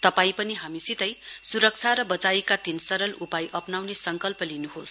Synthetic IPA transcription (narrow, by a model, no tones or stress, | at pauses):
t̪ʌpaĩpʌniɦamisit̪ʌjsuɾʌk̚t͡sʰaɾʌbʌt͡saikat̪insʌɾʌlupajʔʌpnawnesʌŋkʌlpʌlinuɦos